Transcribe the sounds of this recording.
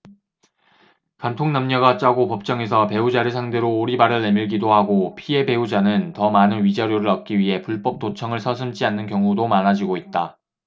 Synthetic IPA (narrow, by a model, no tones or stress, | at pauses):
kantʰoŋnamɲʌɡat͡ɕ͈aɡopʌp̚t͡ɕ͈ʌŋe̞sʰʌpe̞ud͡ʑaɾɯsʰaŋde̞ɾoːɾibaɾɯɭːe̞miɭɡidoɦaɡopʰie̞be̞ud͡ʑanɯntʌmanɯnɥid͡ʑʌɾjoɾɯɾʌt̚k͈iɥiɦe̞puɭp͈ʌp̚t͈ot͡ɕʰʌŋɯɭsʰʌsʰɯmt͡ɕianːɯnkjʌŋudomanad͡ʑiɡoit̚t͈a